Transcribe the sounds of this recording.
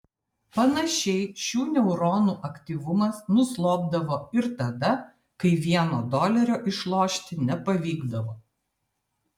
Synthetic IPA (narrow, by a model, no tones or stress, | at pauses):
pɐnɐʃʲɛɪʃʲuːnʲɛʊɾoːnuːʔɐkʲt̪ʲiːʋʊmɐsnʊslˠoːb̚d̪ɐʋoːɪɾt̪ɐd̪ɐ | kɐɪʋʲiɛnoːd̪oːlʲɛɾʲoːʔɪʃlˠoːʃʲt̪ʲɪnʲɛpɐʋʲiːɡd̪ɐʋoː